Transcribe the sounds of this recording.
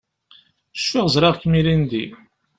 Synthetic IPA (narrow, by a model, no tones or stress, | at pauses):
ʃfɪʁzɾˤɑʁkmilind̪i